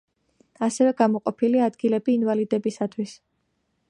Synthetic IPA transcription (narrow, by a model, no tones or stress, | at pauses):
asɛvɛɡamɔqʼɔpʰiliad̪ɡilɛbiːnvalid̪ɛbisat̪ʰwis